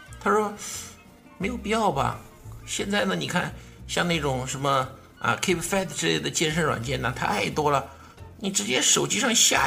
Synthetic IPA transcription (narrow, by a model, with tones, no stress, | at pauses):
t̪ʰa˥ʂɔ˥ | me˧˥ɪjo˨˩ʊpi˥˧jɑ˥˩ʊbɐ̰˨˩ | ɕjɛ˥˧nt͡sa˥˩ɪnə˩ni˨˩kʰa˥˩nɕjɑ˥˧ŋna˥˩ɪʈ͡ʂʊ˨˩ŋʂə˧˥nmə˧ | ə̰˧kʰe˥ɪpʰfɛ˥˩t̪ʈ͡ʂɻ̩˥lḛ˥˩ɪd̪ə˩t͡ɕjɛ˥nʂə˥nwa̰˨˩nt͡ɕjɛ˥˩nna˥˧t̪ʰa̰˥a˥˩ɪt̪wɔ˥lə˨ | ni˨˩ʈ͡ʂɻ̩˧˥t͡ɕjɛ˥ʂo˨˩ʊt͡ɕi˥ʂɑ˥˧ŋɕja̰˥˩